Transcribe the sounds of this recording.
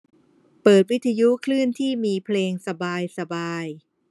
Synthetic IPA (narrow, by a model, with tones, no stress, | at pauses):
pɤː˨˩t̪̚wi˦˥t̪ʰːa˧ju˦˥kʰlɯ˥˩ənt̪ʰiː˥˩miː˧pʰleː˧ŋsa˧baː˧jsa˧baː˧j